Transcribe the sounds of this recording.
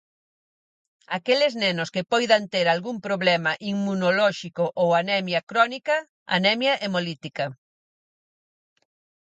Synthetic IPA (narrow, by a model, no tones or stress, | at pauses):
akelɪznɛnʊskɪpɔjðɐnt̪eɾalɣumpɾoβlɛmɐʔiŋmunolɔʃikʊʔowanɛmjɐkɾɔnikɐ | a̰nɛmjɐʔemolit̪ikɐ